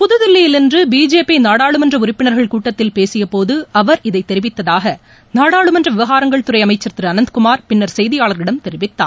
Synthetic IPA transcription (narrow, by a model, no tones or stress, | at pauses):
pʊðɯðɪlːɪjɪlɪndrɯbiːd͡ʒeːpːinaːɽaːɭɯmɐndrɐʊɾɪpːɪɳɐɾɣɐɭkuːʈːɐt̪ːɪlpeːsɪjɐpoːðɯɐʋɐɾɪðɐɪt̪ːɛɾɪʋɪt̪ːɐðaːɣɐ | naːɽaːɭɯmɐndrɐʋɪʋɐɣaːɾɐŋɡɐɭt̪ʊɾɐɪɐmɐɪt͡ʃːɐɾt̪ɪɾɯɐnɐnd̪ɯkʊmaːɾpɪnːɐɾsɛjðɪjaːɭɐɾɪɽɐmt̪ɛɾɪʋɪt̪ːa̰ːn